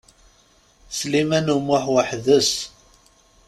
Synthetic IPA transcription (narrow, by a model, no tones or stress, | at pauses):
slimænumʊħwaħðəs